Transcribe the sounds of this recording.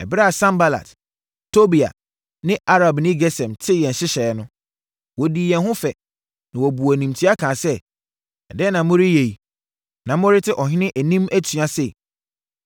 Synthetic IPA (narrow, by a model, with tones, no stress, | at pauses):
ɛ̰˨bɪ˦ɾa˦a˨sã˦mba˦la̰˨t | tʰo˦bi˨a̰˨ | nɪ̃˦ʔa˦ɾa˨bnĩ˦ɡɛ˦sɛ̃˨mtʰɪ˦˨jɛ̃˨n̩˨ɕɪ˦ɕɛ˨nʊ̃˦ | wɔ˨di˨jɛ̃˨nɦʊ̃˦fɛ˨ | nã˨wɔ˨bu˨æ˨nĩ˨mtʰi˦a˦kʰãː˨sɛ˦ | ɛ̰˨dɛ˦nã˨mʊ̃˦ɾɪ˦je˨i˨ | nã˨m˦ʊ̃˦ɾɪ˦tʰɪ˦ʔɔ˨ɦɪ̃˦nɪ̃˦ʔæ˨nĩ˦mæ˦tʰỹ˨a˦sɛ˦˨